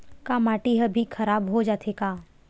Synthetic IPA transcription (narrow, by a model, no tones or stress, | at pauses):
kamaːʈiɦəbʱikʰɐɾaːbɦod͡ʒaːt̪ʰekaː